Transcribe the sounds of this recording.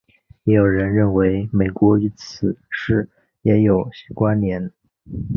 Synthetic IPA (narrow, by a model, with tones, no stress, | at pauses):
jɛ˧˥jo˨˩ʊɻə˧˥nɻə˥˩nwe˧˥ɪme˨˩ɪkwɔ˧˥y˧˥t͡sʰɹ̩˨˩˦ʂɻ̩˥˩ | jɛ˧˥jo˨˩ʊɕkwa˥nnjɛ˧˥n